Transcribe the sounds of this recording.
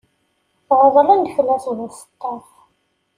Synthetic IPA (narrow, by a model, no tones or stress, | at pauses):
θʁəðˤlənd̪flːæsðæsə̥t̪ːæθ